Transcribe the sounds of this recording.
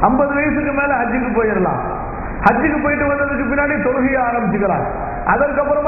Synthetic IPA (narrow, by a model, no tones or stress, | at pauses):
ɐmbɐðɯʋɐjɐsɯkːɯmeːlɐɦɐd͡ʒːɯkːɯpoːjɐɾɐlã̰ː | hɐd͡ʒːɯkːɯpoːjɪʈːɯʋɐnd̪ɐðɯk̬ːɯpɪnːaːɽit̪ɔɾɯɣɪjɐaːɾɐmbɪt͡ʃːɯkːɐɭã̰ː | ʔɐðɐɾkːɐpːɯɾɐm